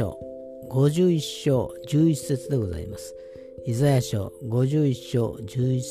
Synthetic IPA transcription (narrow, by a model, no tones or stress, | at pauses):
o̰ | ɡo̞ʑɨːiɕːo̞ːd͡ʑɨːise̞t͡sɨd̪e̞ɡo̞za̰ḭma̰sɨ̥ | izajaɕo̞̰ɡo̞ʑɨːiɕːo̞̰ːd͡ʑɨːi